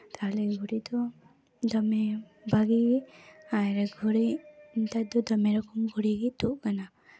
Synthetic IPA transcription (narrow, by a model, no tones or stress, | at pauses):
t̪aɦlɛɡʱuɾid̪ɔ | d̪amɛ | bʱaɡiɡiaɛ̃ɾɛɡʱɔɾint̪ad̪ɔd̪ɔmɛɾɔkɔmɡʱuɽiɡit̪uʔkana